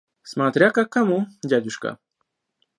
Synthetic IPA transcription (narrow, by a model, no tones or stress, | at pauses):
smat̪ɾʲakakamʊɟad̪ʊʃka̰